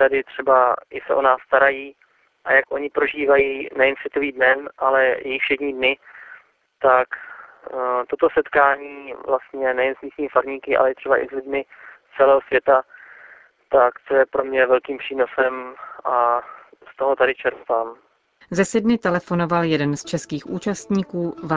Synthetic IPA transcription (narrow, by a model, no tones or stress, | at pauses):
t̪adɪt̪r̝̥ɛbaʔɪsɛʔo̞naːsːt̪aɾajiː | ʔajakʔo̞ɲɪpɾo̞ʒiːvajiːnɛjɛnsvjɛt̪oviːdnɛnʔalɛjɛjɪxfʃɛdɲiːdnɪ | t̪ak | t̪ot̪o̞sɛt̪kaːɲiːvlast̪ɲɛnɛjɛnzmiːsɲiːmfaɾɲiːkɪʔa̰lɛt̪r̥ɛbaʔɪ̰zlɪdmɪ | t͡sɛlɛːɦosvjɛt̪a | t̪akt͡sojɛpɾo̞mɲɛvɛlkiːmpr̥iːnosɛmʔa | st̪o̞ɦot̪adɪt͡ʃɛɾt̪aːm | zɛsɛdnɪt̪ɛlɛfo̞no̞valjɛdɛnst͡ʃɛskiːxʔuːt͡ʃast̪ɲiːkuːva